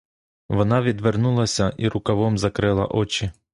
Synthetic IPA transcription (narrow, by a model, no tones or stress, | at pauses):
ʋɔnɑʋʲid̪ʋernulˠɐsʲɐʔiɾʊkɐʋɔmzɐkɾɪlˠɐ̰ʔɔt͡ʃi